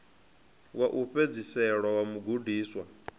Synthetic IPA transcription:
waʔuɸed͡zisɛɺwawamuɡudiːswa

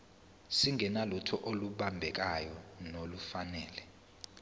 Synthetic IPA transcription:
siŋʱɛnalutʰɔʔoluɓambʱɛk̬ajɔnolufanɛːlɛ

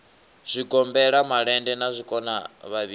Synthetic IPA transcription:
z̥ʷiɡɔmbɛɺamaɺɛndɛnazʷikʼɔnaβaβi

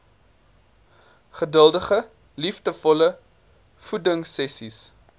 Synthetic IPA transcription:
χədəlˠdəχə | lifdəfɔlə | fudəŋsɛsis

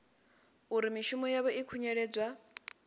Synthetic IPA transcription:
uɾimiʃumɔjaβɔikʰuɲɛɺɛːd͡zwa

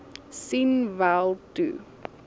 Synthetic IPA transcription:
sinvælˠtṵ

